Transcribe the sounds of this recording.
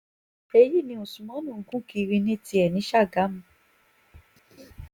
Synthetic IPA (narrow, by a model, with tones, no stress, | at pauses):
e˧ji˦˨nĩ˧ũ˨su˨mɔ̃˨˦nũ˦˨˦kũ˦ki˧ɾi˧nĩ˦ti˧ɛ˨nĩ˨˦ʃa˦˨ɡa˨˦mũ˨˦